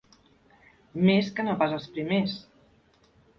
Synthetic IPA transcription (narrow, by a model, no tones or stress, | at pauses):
meskənopazəlˠspɾimes